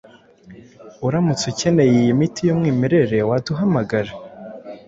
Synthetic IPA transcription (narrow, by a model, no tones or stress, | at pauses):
uɾamut͡suce̞ne̞jijimitijomŋiːmeɾe̞ɾe̞waduɦamaɡaɾe